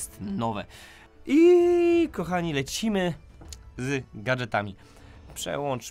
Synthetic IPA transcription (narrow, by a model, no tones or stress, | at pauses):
st̪nɔvɛ̰ | i | kɔxaɲilɛt͡ɕimɘ | zɡad͡ʐɛt̪amʲi | pʂɛ̰wɔnt͡ʂ